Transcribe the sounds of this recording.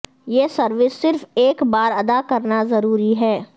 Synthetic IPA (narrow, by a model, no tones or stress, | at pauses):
jeːsɐɾʋɪsːɪɾfeːkbaːɾɐd̪akɐɾnazɐɾuːɾiɦɛː